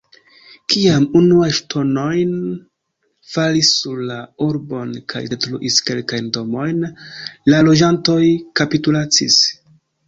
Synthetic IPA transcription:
kiamunuajʃtʰo̞no̞jn | falisːuɾlauɾbo̞nkʰa̰jdetɾuʔiske̞lkajndo̞mo̞jnlalo̞d͡ʒanto̞jkapitulat͡sḭs

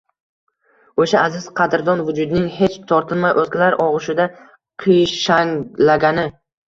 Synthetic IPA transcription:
oʃaazɪz̥qʰɑd̪ɪɾd̪ɒnvʊd͡ʒʊd̪ɪnɪŋhe̞t͡ʃt̪ʰɒɾt̪ʰɪlmajʔozkʲɪlaɾʔɒʁʊʃɪd̪a | qʰijʃaŋlaɡʲanɪ

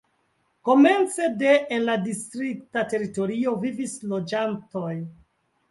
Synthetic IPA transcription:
ko̞me̞nt͡se̞deʔenladistɾik̚tate̞ɾito̞ɾio̞vivislo̞d͡ʒanto̞j

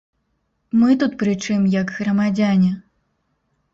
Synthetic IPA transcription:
mɨt̪ut̪pɾɨt͡ʂɨmjɐɡɣrɐmad͡zʲanʲɛ

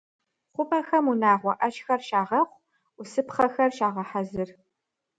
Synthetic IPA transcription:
χʷʊpʰʼɐxɐmunaːʁʷɔʔɐt͡ʃxɐrʃaːʁɐχʷ | ʊsɨpχɐxɐrʃaːʁɐħazɨr

